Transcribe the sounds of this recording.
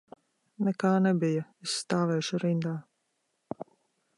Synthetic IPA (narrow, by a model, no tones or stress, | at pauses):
nɛkaːnɛbijaesːt̪aːvɛjʃuɾind̪aː